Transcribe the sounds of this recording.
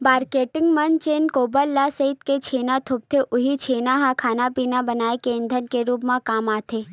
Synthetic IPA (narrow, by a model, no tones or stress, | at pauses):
baːɾkeʈɪŋɡmənt͡ʃenkobəlːasəɦit̪ket͡ʃʰenat̪ʰʊp̚t̪ʰeʔʊɦit͡ʃʰenaɦãkʰanapinabənaekend̪ʱənkeɾupmãkamat̪ʰe